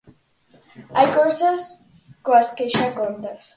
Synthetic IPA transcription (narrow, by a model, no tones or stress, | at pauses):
ajkosas | koaskeʃakont̪as